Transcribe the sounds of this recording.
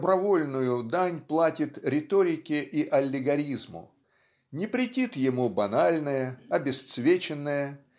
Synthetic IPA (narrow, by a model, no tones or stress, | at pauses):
bɾɐvo̞lʲnʊjʊd̪anʲplˠatʲɪt̪ɾʲɪt̪oɾʲɪkʲɪʔiʔɐlʲːɪɡɐɾʲizmʊ̰ | nʲɪpɾʲɪtʲit̪jɪmubɐnalʲnəjəɐbʲɪst̪svʲet͡ɕɪnːəjə